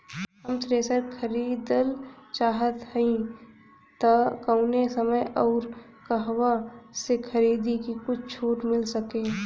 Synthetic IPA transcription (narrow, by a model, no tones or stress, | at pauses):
ɦəmtɾeːsəɾkʰəɾiːd̪əlt͡ʃaːɦət̪ɦəĩ | t̪akəʊnesəməjɔːɾ | kɐɦwasekʰəɾiːd̪ikikʊt͡ʃʰt͡ʃʰuːʈmɪlsəkẽː